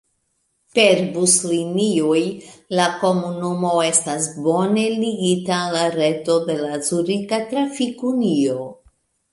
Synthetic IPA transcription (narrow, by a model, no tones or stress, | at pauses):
pe̞ɾbusliniojlako̞munumo̞e̞stasbo̞ne̞liɡitalaɾe̞to̞de̞lasuɾikatɾafikunio̞